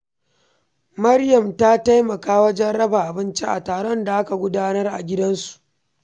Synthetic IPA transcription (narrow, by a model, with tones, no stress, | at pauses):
mɐ˦rjɐ˨mta˦ta˦jmɐ˨kaː˦wɐ˦d͡ʒɛ˦nɽɐ˦ba˨ʔa˨bɪ˦nt͡ʃe˦ʔa˨taː˨ɽɔ˦nda˨ʔa˦ka˨ɡʷʊ˦daː˦nɐ˦rʔa̰˨ɡʲɪ˦dɐ˦nsu̥˨ʔ